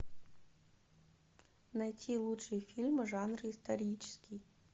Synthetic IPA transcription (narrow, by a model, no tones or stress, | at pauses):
nɐjtʲʰilˠuʂɨjɛfʲilʲmɨʐanrɨist̪ɐɾʲit͡ʃɪ̥skʲij